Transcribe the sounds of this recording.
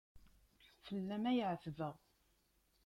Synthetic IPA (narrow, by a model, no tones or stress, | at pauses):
fəlːæmæjʕθvəʁ